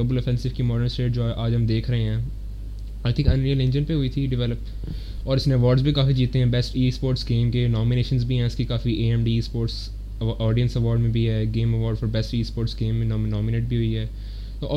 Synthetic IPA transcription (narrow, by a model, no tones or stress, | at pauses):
əbəlɔfɛ̃nsɪʋkimɔːɖəɾnsʈeːʈ̚d͡ʒoːɛʔaːd͡ʒɦɐmd̪eːkʰɾɐɦẽɦɛ̃ː | aːɪt̪ʰɪ̃ŋkɐ̃nɾiːəlɪ̃nd͡ʒənpeɦʊit̪ʰiɖɪʋɛləp | ɔːɾɪsnẽɐʋɔːɾɖzbʱikaːfid͡ʒiːt̪ːẽɦɛ̃bɛsʈiːspoːɾʈsɡẽːmkenɔːmɪneːʃənzbʱiɦɛ̃ɪskikaːfiʔeːɛ̃mɖiːspoːɾʈs | ɔːɖiə̃nsɐʋɔːɾɖmẽbʱiɦɛːɡẽːmɐʋɔːɾɖfɔːɾbɛsʈiːspoːɾʈsɡẽːmːẽnːm̃nɔːmɪneːʈ̚bʱiɦʊiɦɛː | t̪oːʔɔ